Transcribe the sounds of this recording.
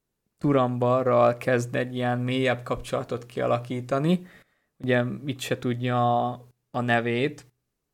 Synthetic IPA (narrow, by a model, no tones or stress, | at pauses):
t̪uɾɒmbɒrːɒlkɛzd̪ɛɟːijɛnmeːjɛbkɒpt͡ʃolɒt̪o̞t̪kiɒ̰lɒkiːt̪ɒni | huɟɛit̪ʃɛt̪uɟːɒː | nɛveːt̪